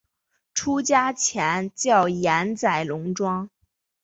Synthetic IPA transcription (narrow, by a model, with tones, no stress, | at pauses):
ʈ͡ʂʰu˥t͡ɕja˥t͡ɕʰjɛ˧˥nt͡ɕjɑ˥˩ʊjɛ˧˥nt͡sa˨˩ɪlʊ˧˥ŋʈ͡ʂwɑ˥ŋ